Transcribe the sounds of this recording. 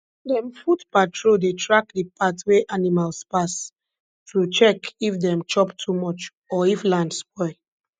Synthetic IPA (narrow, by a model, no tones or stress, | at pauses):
dɛ̃mfutpatʰɹodetɹak̚dipʰatweʔanimalspas | tut͡ʃɛkifdɛ̃mt͡ʃɔptʰumɔt͡ʃ | ɔiflãndspɔɪ